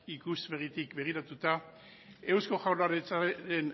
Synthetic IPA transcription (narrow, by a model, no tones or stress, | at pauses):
ikuzβerit̪ikbe̞ɣ̞iɾat̪ut̪a | e̞wsko̞ʝawlaɾet͡saɾe̞n